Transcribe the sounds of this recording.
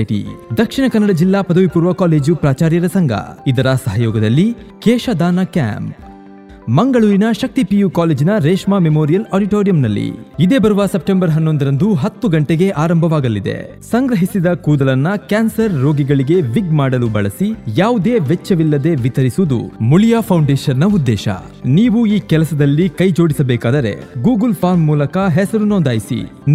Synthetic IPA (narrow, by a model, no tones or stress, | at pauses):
ʈḭd̪ɐkʂiɳɐkɐnːɐɽɐd͡ʒilːaːpɐd̪ɐʋipuːɾʋɐkaːleːd͡ʒupɾaːt͡ʃaːɾjɐɾɐsɐŋɡʱɐ̰id̪ɐɾɐsɐɦɐjɔːɡɐd̪ɐlːi | kɛːʃɐd̪aːnɐka̰ːmp̚ | mɐŋɡɐɭuːɾinɐʃɐk̚t̪ipijukaːleːd͡ʒinɐɾeːʂmaːmemoːɾijɐlaːɖiʈoːɾijɐmnɐlːḭid̪e̞ːbɐɾuʋɐsep̚ʈembɐɾɦɐnːo̞nd̪ɐɾɐnd̪uɦɐt̪ːuɡɐɳʈeɡe̞ʔaːɾɐmbʱɐʋaːɡɐlːid̪ḛ | sɐŋɡɾɐɦisid̪ɐkuːd̪ɐlɐnːɐkaːnsɐɾːo̞ːɡiɡɐɭiɡe̞ʋiɡmaːɽɐlubɐ̰ɭɐsijaːʋud̪e̞ːʋet͡ʃːɐʋilːɐd̪e̞ʋit̪ɐɾisuʋud̪ṵmulijaːpʰɐwɳɖeːʃɐnːɐud̪ːɛːʃɐ̰ | niːʋuiːkɛlɐsɐd̪ɐlːikɐjd͡ʒo̞ːɽisɐbɛːkaːd̪ɐɾe̞̰ɡuːɡɐlpʰaːɾmːuːlɐkɐɦɛsɐɾunond̪aːjisḭ